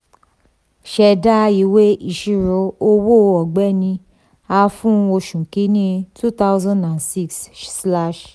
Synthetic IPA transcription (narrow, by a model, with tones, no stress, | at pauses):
ʃɛ˧da˦i˨˦we˦i˨ʃi˨ɾo˨˦o˧wo˦˨˧ɔ˨ɡ͡bɛ˦nĩ˧ | a˧fũ˦˧o˧ʃũ˨ki˨˦nĩ˦tʰu˦t̪a˦zã˦nã˨nsi˦kssla˦˨ʃ